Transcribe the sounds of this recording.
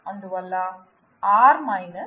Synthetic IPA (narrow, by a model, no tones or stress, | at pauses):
ɐnd̪ɯʋɐlːaː | aːɾmajnɯ